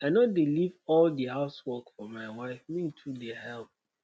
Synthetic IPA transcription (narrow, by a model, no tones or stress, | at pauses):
aɪnɔdelivɔldihaʊswɔkfɔmaɪwaɪfmĩntʰudɛahɛlp̚